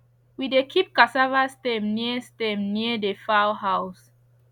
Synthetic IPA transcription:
widekʰip̚kasavastɛ̃mniəstɛ̃mniədefawɦaws

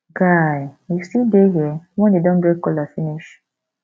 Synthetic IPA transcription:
ɡajjustideɦɛmɔ̃ndedɔ̃nbɹekːɔlafiniʃ

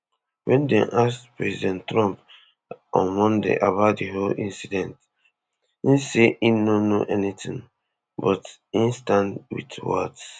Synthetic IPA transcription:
wɛ̃ndẽʔaspɹɛsidɛ̃ntɹɔ̃mp | ɔ̰̃nmɔ̃ndḛʔabat̚diɦolĩnsidɛ̃nt | ĩnseinonoʔɛnitḭ̃ŋ | bɔt | ĩnstãndwḭtwa̰ts

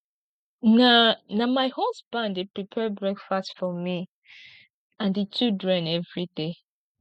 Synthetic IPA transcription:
nanamaɪhɔsbãndepʰɹipʰɛbɹɛkfastfɔmi | ãndit͡ʃudɹɛ̃nɛvɹide

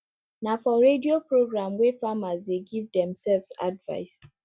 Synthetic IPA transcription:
nafɔɾediopɾoɡɾamwefamazdeɡivdɛ̃msɛlvsa̰dva̰ɪs

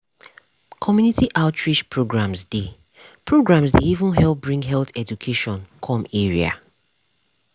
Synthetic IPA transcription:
kʰɔmjunitiʔaʊtʰɹiʃpʰɹoɡɹãmzde | pʰɹoɡɹãmsdeivũnɦɛlˠp̚bɹĩŋɦɛlθɛd͡ʒukʰeʃɔ̃nkʰɔmɛɹḭa̰

